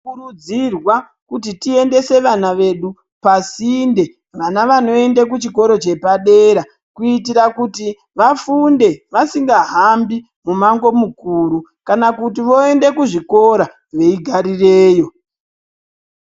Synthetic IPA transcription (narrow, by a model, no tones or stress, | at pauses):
kurud͡zirwa | kutitie̞nde̞se̞ʋan̤aʋe̞ɗu | pasinde̞ | ʋanaʋano̞e̞ndek̬ut͡ʃiko̞ɾo̞t͡ʃe̞paɗe̞ɾa | kuitiɾakuti | ʋafunde̞ʋasiŋɡaɦambi | mumaŋɡo̞mukuːɾukanakutiʋo̞e̞nde̞kuʐiko̞ɾa | ʋe̞iɡʱaɾire̞ːjo̞